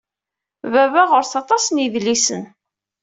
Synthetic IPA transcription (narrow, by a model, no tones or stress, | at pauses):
vævæʁʊɾθɑt̪ˤɑsniðlːisən